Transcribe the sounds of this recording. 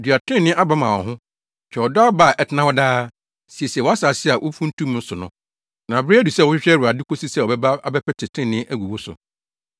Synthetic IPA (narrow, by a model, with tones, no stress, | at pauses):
dɥa˨tʰɪ̃˦nɪ̃˦ʔa˦ba˦mã˨ɔ̰˨ɦʊ̃˦ | t͡ɕʰᶣɛ˨ɔ˨dɔ˦a˦ba˦˨ʔɛ˨tʰɪ˦nã˦wɔ˦daː˦ | si˨ɛ˨si˨ɛ˨wɔ˨a˦sa˨sɪ˦a˨ʔʊ˦fũ˦n̩˦tʰũ˦m˦n̩˦sʊ˨nʊ̰̃˦ | nã˨bɪ˦ɾi˦æ˦du˨sɛ˦˨wʊ˦ɕᶣɪ˦ɕᶣɾɛ˦ɾu˨a˨di˦kʰo˦si˦sɛ˦˨ɔ˨bɛ˦ba˦a˦bɛ˦pɛ˦tʰɪ˨tʰɪ̃˦˨nɪ̃˦ʔæ˦ɡʷu˨wo˦sʊ̰˨